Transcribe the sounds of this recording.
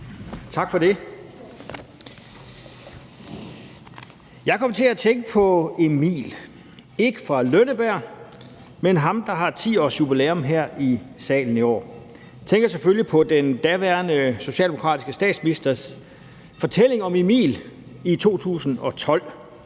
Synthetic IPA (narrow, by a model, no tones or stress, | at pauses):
t͡sʰɑ̈ɡ̥fɒ̽ɾe̝ | jɑ̈ɪkʰɒ̽mt͡sʰe̝læt͡sʰeŋɡ̥əpʰɒ̽emḭːl | e̝ɡ̥əfʁɑ̈lønəb̥æɐ̰ | menɦɑ̈md̥ɑ̈ɦɑ̈t͡sʰḭːɒ̰ːsjub̥ileːɔmɦæɐ̰isɛ̰ːln̩iɒ̰ː | t͡sʰeŋɡ̥ɐseføljipʰɒ̽d̥end̥æʋæɐnəso̝ɕɛ̰ːld̥emokʰʁɑ̰ːdisɡ̥əsd̥ɛ̰ːd̥sminisd̥ɐs | fɒ̽t͡sʰele̝ŋɒ̽memḭːlit͡sʰo̝̰ːt͡sʰṵːsn̩ɒ̽t͡sʰɒ̽l̰